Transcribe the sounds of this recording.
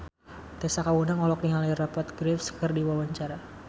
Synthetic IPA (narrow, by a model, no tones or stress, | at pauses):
t̪esakawunaŋɔlɔk̚niŋalajrapɔt̪̚ɡɾɛfskərdiwawaɲt͡ʃaɾa